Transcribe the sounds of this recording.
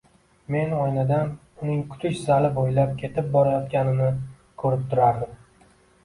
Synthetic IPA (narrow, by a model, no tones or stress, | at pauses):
me̞nɒjnad̪an | ʊnɪŋkʰʊ̥t̪ʰɪʃzalɪbojlap̚kʲʰe̞t̪ʰɪp̚bɒɾajɒt̪kʲanɪnɪ | kʰɵɾɪp̚t̪ʰʊɾaɾd̪ɪm